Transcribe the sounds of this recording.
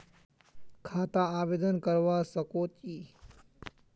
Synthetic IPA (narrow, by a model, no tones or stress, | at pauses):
kʰaːt̪aaːʋeːd̪ənkəɾʋasəkoːt̪iː